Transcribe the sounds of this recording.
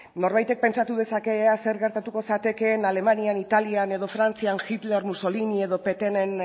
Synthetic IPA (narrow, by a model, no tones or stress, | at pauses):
no̞ɾβajt̪e̞k̚pe̞nt͡ʃat̪uðe̞sake̞ase̞ɾɣe̞ɾt̪at̪uko̞sat̪e̞ke̞nale̞manianit̪aliane̞ðo̞fɾant͡sianxit̪le̞ɾmuso̞linie̞ðo̞pe̞t̪e̞ne̞n